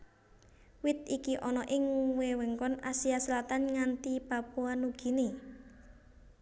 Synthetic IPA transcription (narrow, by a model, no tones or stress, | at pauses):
wɪt̪ikiʔɔnɔʔɪŋuwewɛŋkɔnasiaslat̪anŋant̪ipapuanuɡ̥i̤ne